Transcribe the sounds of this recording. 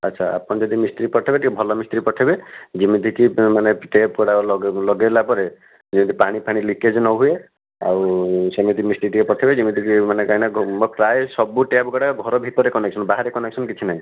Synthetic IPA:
ətːʃʰaa̰pɔnd͡ʒɔd̪imist̪ɾipɔʈʰebeʈʰikebʱɔlɔmist̪ɾipɔʈʰebed͡ʒimid̪ʱikimaneʈep̚ɡɔɽalɔɡelapɔɾe | d͡ʒimid̪ʰipaɽ̃ipʰaɽ̃iliked͡ʒnɔɦue | a̰wsemid̪ʰʱimist̪ɾiʈikepɔʈʰebed͡ʒimid̪ʱikimanekaɦinaɡɔpɾajsɔbuʈep̚ɡɔɽaɡʱɔɾɔbʱit̪ɔɾekɔneksɔnbaɦaɾekɔneksɔnkit͡ʃʰinaɦĩ

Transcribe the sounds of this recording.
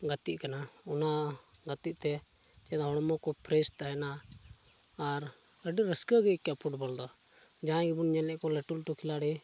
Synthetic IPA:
ɡat̪iʔkanaɔnaɡat̪iʔ̚t̪ɛ | t͡ʃɛd̪aɦɔɽ̃mɔkɔpʰɾɛst̪aɦɛnaː | ɾ | əɖiɾəskəɡɛikjapʰuʈbɔld̪ɔ | d͡ʒaãɡɛbunɲɛlɛʔkɔlɛʈulʈukʰilaɽɛ

